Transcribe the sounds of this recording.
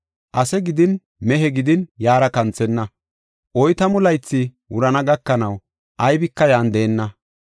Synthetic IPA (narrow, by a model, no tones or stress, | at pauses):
ʔɐsɛɡɪd̪ɪn | mɛɦɛɡɪd̪ɪnjaːɾɐkɐnt͡sːɛnːɐ | ʔɔjt̪ɐmʊlɐjt͡sːɪ | wʊɾɐnɐɡɐkːɐnɐw | ʔɐjbɪkːɐjaːnd̪eːnːɐ